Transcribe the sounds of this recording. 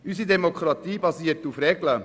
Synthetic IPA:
ysidɛmokχɾɑt̪iːbɑsiːətufɾɛɡlə

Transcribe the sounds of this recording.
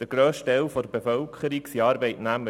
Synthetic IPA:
d̪̥əɡɾøːsʃtɛlfɔdəbefœlkχəɾiksiɑːɾbɛɪtnæmə

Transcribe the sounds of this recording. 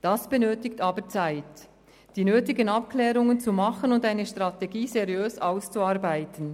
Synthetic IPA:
d̥asb̥ɛnøːtɪktaːbət͡saɪt | d̥iːnøːtɪɡənap̚klɛːɾʊŋənt͡sumɑχənʊndaɪnəʃtʁateɡiːzeʁjøːsaʊst͡suaːʁbaɪtən̩

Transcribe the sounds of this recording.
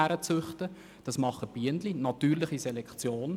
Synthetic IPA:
æɾət͡sʏχtə | d̥ɑsmɑχːəb̥iəndlinɑtyːɾlɪχisɛlɛkt͡sjoːn

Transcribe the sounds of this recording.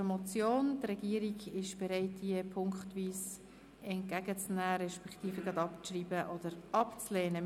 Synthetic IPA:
mɔt͡sjoːntrɛɡiəɾiɡɪʃb̥eɾaɪt̚diəpʰʊŋktʋiːs | ɛnt̚kæɡət͡snæːɾɛʃpɛktiːfəɡɑdɑpʃriːbəʔɔd̥əɾɑpt͡slɛːnə

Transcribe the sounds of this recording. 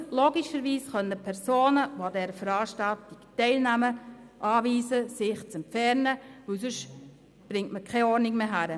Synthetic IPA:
loːɡiʃəɾʋiːsχœnəpʰɛɾsoːnəʋoadɛːɾəfəɾɑːʃtaltɪktɛɪlnæməʔɑːʋiːsəsɪχt͡sɛmpfɛɾnəʋɵwsøʃ | b̥ɾɪŋtməkʰɛɔɾnɪɡmeɦæɾə

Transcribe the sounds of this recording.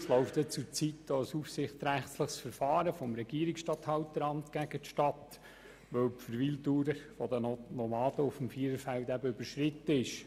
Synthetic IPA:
slɔʊft̪ɛt͡sʊɾt͡sitd̥oəsufsɪχtɾæχtləχsfəɾfɑːɾəfɔmɾɛɡ̥iːɾiksʃtɑt̪hɑwt̪əɾɑmtɡ̥æɡ̥ətʃtɑt̪ | ʋœwpfəɾʋiltuːɾəfɔd̪ənnɔmɑːd̥əʊfmfiːəɾəfæltæbəøb̥əɾʃɾɪt̪ːəɪʃ

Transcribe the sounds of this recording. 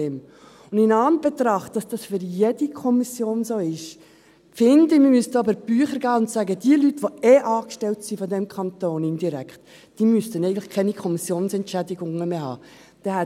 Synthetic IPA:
eːm | ʊndɪnɑːnb̥ɛt̪ɾɑχt̚ːɑsd̥ɑsfʏɾjedikʰɔmisjoːnzoːɪʃ | fɪndəmimystəɑbəɾb̥yːχəɾɡɑːʊnt̪sæɡədiəlytʋoeʔɑːkʃtɛltsifɔd̪ɛmkʰɑnt̪oːnɪnd̥iɾækχt | d̥iːmystənɛɪɡən̩tlɪ̥χkʰɛnikʰɔmisjoːnsɛntʃædɪɡʊŋːəmeɦɑ̰ː | d̥ɛɦɛ

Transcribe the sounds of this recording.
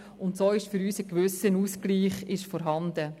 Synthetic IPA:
ʊntsoːɪʃfyɾyːsəkʋʏsənuːskliːχɪʃfɔɾɦɑndə

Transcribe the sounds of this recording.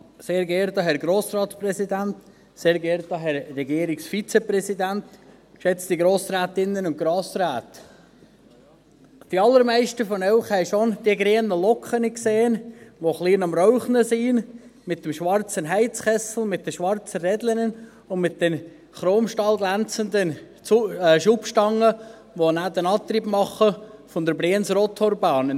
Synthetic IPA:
seːɾɡɛːɾd̪ɑɦhɛɾɡɾoːsɾɑːtsprɛsid̪ænt̪ | seːɾɡɛɾd̪ɑɦɛɾːɛɡiːəɾiksfit͡sɛpɾɛsid̪ænt̪ | ʃɛt͡st̪iɡɾoːsɾæːt̪ɪnːənʊntɡ̥ɾoːsɾæːt̪ | d̪̥iɑlːəɾmæɪʃtəfɔnɛwχhɛɪʃond̥̪iəɡɾeːənəlɔkχənikseːənʋoχliːnɑmrɔʊχnəsiːn | mɪt̪̚ːəmʃʋɑɾt͡sənɦæɪt͡sχɛsl̩ˠmɪt̪̚ːəʃʋɑrt͡sərɛdlənən | ʊnmɪt̚d̥̪ɛn | χɾoːmʃtɑːlɡlænt͡sənd̪ənː | ʃupʃtɑŋːə | ʋonæːd̪ənɑːt̪ɾibpmɑχəfɔnd̪əɾbɾeːənsɾɔt̪ʰɔɾbɑːnə

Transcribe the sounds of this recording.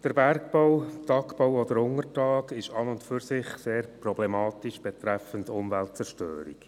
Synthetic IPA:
d̥əɾbæɾkb̥owtɑkb̥owɔdəɾʊŋərtɑːkɪʃɑnʊntfyɾsɪχseːɾprɔblemɑːtiʃb̥ɛtɾɛfəntʊmvæltt͡sɛrʃtø̰ːɾḭk

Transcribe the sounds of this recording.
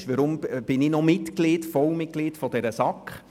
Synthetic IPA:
ʃʋəɾʊmb̥ɪnɪnɔmɪtklitfɔlmɪt̚ɡ̥litfɔd̥ɛɾəsɑkχ

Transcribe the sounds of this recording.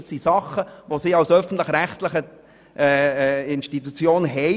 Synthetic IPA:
sisɑχəʋosiːɑwsœfən̩tlɪχɾæχtləχə | ʔɛɪnʃtit̪ut͡sjoːnɦɛɪ

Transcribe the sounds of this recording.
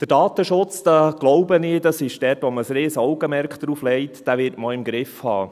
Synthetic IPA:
d̥əd̥ɑːt̪əʃʊt͡sd̥ɑɡ̥lɔʊbənɪːdɑsɪʃd̥ɛtʋɔməsɾeːsɔwɡəmɛɾkχd̥̪ɾuːflɛɪtd̥æʋɪːɾtmɔlɪmɡɾɪfhɑ̰ː

